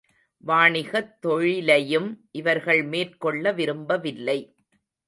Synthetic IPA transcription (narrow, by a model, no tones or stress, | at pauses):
ʋaːɳɪɣɐt̪ːɔɻɪlɐjɯmʔɪʋɐɾɣɐɭmeːrkɔɭːɐʋɪɾɯmbɐʋɪlːɐɪ